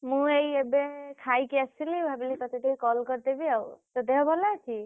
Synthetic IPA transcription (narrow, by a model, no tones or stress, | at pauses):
mũejebekʰajkiasilibʱabilikɔt̪eʈeikɔlkɔɾt̪ebiawt̪ɔd̪eɦbʱɔlat͡ʃʰi